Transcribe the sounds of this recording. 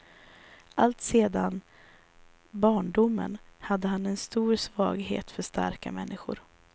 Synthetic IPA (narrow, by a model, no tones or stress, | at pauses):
ʔalt̪seːd̪an | bɑːɳɖʊmːə̰nhad̪ːəɦanɛnst̪uːɾsvɑ̰ːɡɦḛːt̪fœʂt̪a̰ɾkamɛnːɪɧʊ̰ɾ